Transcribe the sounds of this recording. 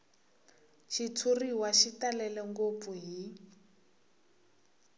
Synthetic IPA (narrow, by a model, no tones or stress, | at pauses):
ʃʰit͡sʰuriwaʃitalɛlɛŋɡop̪fuɦi